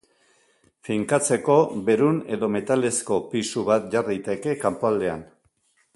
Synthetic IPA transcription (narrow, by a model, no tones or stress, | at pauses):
fiŋkat͡se̞ko̞βe̞ɾune̞ðo̞me̞t̪ale̞sko̞pisuβat̪ʝarijt̪e̞ke̞kampoald̪e̞a̰n